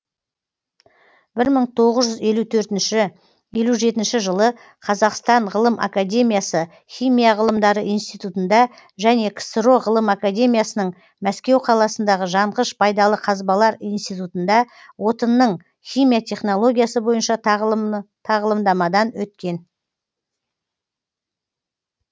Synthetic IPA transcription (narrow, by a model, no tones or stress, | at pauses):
bɪɾməɴt̪ʰo̞ʁəzʒʏze̞lut̪ʰɵɾt̪ɪnʃɪ | je̞luʒe̞t̪ɪnʃɪʒəlˠə | qʰɑzɑqst̪ɑɴʁəlˠəmʔa̰kad̪ʲe̞mijasə | χʲijmijɑʁəlˠəmd̪ɑɾəʔijnst̪ijt̪ut̪ənd̪ɑ | ʒæne̞kʰsɾo̞ʁəlˠəmakad̪ʲe̞mʲijasənəɴ | mæskʲe̞wqʰɑlˠɑsənd̪ɑʁəʒɑɴʁəʃpʰɑjd̪ɑlˠəqʰɑzbɑlˠɑɾijnst̪ijt̪ut̪ənd̪ɑ | wo̞t̪ənːəɴ | χʲijmijat̪ʲʰe̞χno̞lˠo̞ɡʲijasəbo̞jənʃɑ | t̪ʰɑʁəlˠəmd̪ɑmɑd̪ɑnwɵt̪kʲe̞n